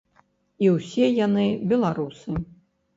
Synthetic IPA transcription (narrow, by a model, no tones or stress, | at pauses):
iwsʲɛjanɨbʲɛlˠaɾusɨ